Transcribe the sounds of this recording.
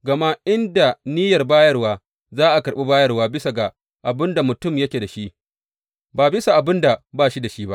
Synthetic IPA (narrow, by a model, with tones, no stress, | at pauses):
ɡɐ˨ma˦ʔɪ˦nda˨niː˦jɐ˨rbaː˦jɐ˦rwaː˦ | zaː˦ʔa˨kɐ˨ɾɓe˦baː˦jɐ˦rwaː˦bɪ˦sa˨ɡa˨ | ʔa˨bɪ˦nda˨mʊ˨tʊ˦mjɐ˦kʲeː˨da˨ʃi˦ʔ | baː˨bɪ˦sa˨ʔa˨bɪ˦nda˨baː˦˨ʃi˦da˨ʃi˦ba˦ʔ